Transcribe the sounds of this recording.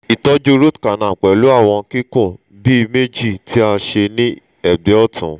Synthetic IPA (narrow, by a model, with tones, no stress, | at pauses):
i˨tɔ˨˦d͡ʒo˧ɾo˦tka˨nã˨k͡pɛ˨lu˨˦a˦˨w̃ɔ̃˧ki˦kũ˦˨ | bi˦˧me˦d͡ʒi˦˨tʰi˦a˧ʃe˧nĩ˦ | ɛ˦˨be˨˦ɔ˦˨tʰṵ̃˨˦